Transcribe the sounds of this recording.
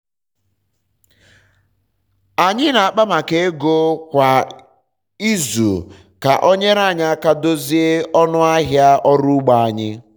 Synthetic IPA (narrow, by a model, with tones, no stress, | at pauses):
a˨ɲɪ˦na˨a˨k͡pa˦ma˨ke˨˦e˦ɡo˦kʷa˨ | i˦zṵ˨ | ka̰˨ʔo˦ɲe˦ɾa˦˨ɲa˦a˦ka˦do˦zi˦e˦ɔ˦nʊ˦a˦ɦja˦ʔɔ˦ɾu˦ɡ͡ba˨a˨ɲɪ˦